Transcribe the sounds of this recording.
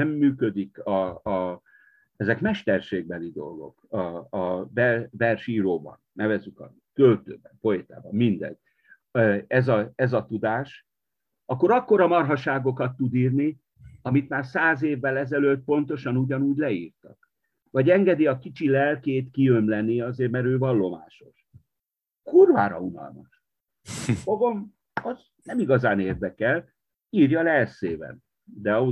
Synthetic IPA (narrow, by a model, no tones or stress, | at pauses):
ɛmːyːkød̪ikɒ | ɛzɛkmɛʃt̪ɛrʃeːɡ̚bɛlid̪o̞̰lɡo̞̰kɒːvɛvɛrʃiːɾoːbɒ̰nːɛvɛzːykɒ̰ | kølt̪ø̰ːbɛmpo̞eːt̪a̰ːbɒmmind̪ɛ̰n | ɛzɒɛzɒt̪ud̪aːʃ | ɒkːo̞ɾɒkːo̞ɾɒmɒrɦɒʃaːɡo̞kɒt̪ːud̪iːrni | ɒmit̪maːrsaːzeːvːɛlɛzɛløt̪̚po̞nt̪o̞ʃɒnuɟɒnuːɟlɛiːrt̪ɒ̰k | vɒɟɛŋɡɛd̪iɒkit͡ʃilɛlkeːt̪kiømlɛnːiɒzeːrmɛɾøːvɒlːo̞ma̰ːʃo̞ʃ | kurva̰ːɾɒ̰unɒ̰lmɒ̰ʃ | foɡom | ɒz | nɛmiɡɒzaːneːrd̪ɛkɛl | iːrjɒlɛlseːbɛ̰n | d̪ɛɒ